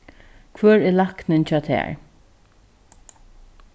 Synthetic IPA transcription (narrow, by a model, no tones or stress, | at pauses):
kʰvœːɹɛlaknɪnt͡ɕɑːt̪ʰɛ̰ːɹ